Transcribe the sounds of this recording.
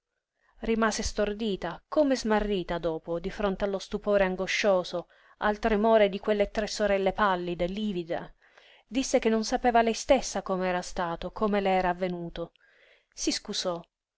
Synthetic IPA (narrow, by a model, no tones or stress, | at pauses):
rimaːsest̪ord̪iːt̪akoːmezmarːiːt̪ad̪oːpod̪ifɾont̪ealːost̪upoːɾeaŋɡoʃːoːzo | alt̪ɾemoːɾed̪ikwelːet̪ɾɛsːoɾɛlːepalːid̪elːivid̪a̰ | d̪isːek̟enːonsapeːvalɛjst̪esːakomeɛːɾast̪aːt̪okʰoːmeleɛːɾaːvːenuːt̪o | siskuzɔ